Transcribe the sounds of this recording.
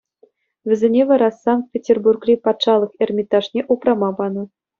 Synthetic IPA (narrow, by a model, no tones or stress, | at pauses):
ʋʲɘ̆zʲenʲeʋɑɾɑsɑŋt̪̚pʲetʲerburkrʲipɑt̪ʂɑlˠɤ̆χerʲmʲit̪ːɑʂnʲeʔuprɑmɑbɑnɤ̆